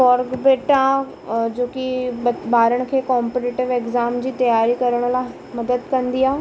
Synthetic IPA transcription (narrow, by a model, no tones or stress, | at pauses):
ɔːɾɡbeːʈã | d͡ʑoːkibaːɾəɽ̃̆kʰeːkɔːmpeʈɪʈɪʋekzaːmd͡ʑiːt̪ɐjaːɾikɐɾəɽ̃la | mɐd̪əd̪kɐ̃nd̪iaː